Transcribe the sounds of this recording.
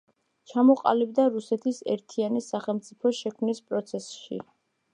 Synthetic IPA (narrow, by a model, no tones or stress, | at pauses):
t͡ʃʰamɔqʼa̰lib̚d̪aɾusɛt̪ʰisɛ̰ɾt̪ʰianisaχɛlˠmt̪sʼipʰɔʃɛkʰmnispʼɾɔt̪sʰɛsʃḭ